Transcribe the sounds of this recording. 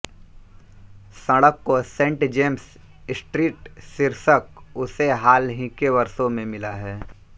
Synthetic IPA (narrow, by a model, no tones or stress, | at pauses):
sɐɽəkːosẽːʈd͡ʒeːms | sʈɾiːʈsɪɾsəkʊseɦaːlɦɪ̃keʋɐɾsõmẽmɪlaɦɛː